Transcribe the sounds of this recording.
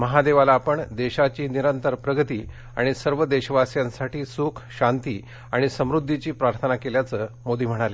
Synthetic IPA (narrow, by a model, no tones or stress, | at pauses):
məɦad̪eʋalaːpəɳd̪eɕat͡ɕiːniɾənt̪əɾpɾəɡət̪iː | a̰ɽ̃isəɾʋəd̪eɕəʋasjãnsaʈiːsukʰɕant̪iː | aɽ̃isəmɾud̪ʱːit͡ɕiːpɾaɾt̪ʰənakeljat͡səːmod̪iːm̤əɽ̃ale